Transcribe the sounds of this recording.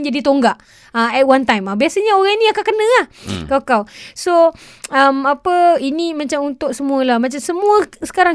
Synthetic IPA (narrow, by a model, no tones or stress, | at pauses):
d͡ʒadit̪oŋɡaʔ | aɛt̚want̪ajmabiasaɲaoɣaŋinĩakakənə̃ahkawkawso | əmapəinimãt͡ʃamunt̪ʊʔ̚səmũəlahmãt͡ʃamsəmuəsə̥kaɾaŋ